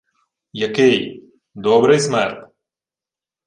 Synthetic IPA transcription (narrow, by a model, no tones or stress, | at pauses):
jɐkej | d̪oːbɾɐjsmaɾt̪